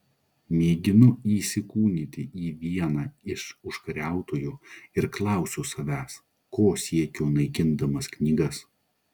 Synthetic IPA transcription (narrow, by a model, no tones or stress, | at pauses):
mʲeːɡʲɪnʊiːsʲɪkuːnʲɪt̪ʲɪiːʋʲiɛnɑːɪʃʊʃkɐɾʲæˑʊt̪oːjuːɪɾklˠɑˑʊsʲuːsɐʋʲæːs | koːsʲiɛkʲoːnɐɪkʲɪnd̪ɐmɐsknʲiːɡɐs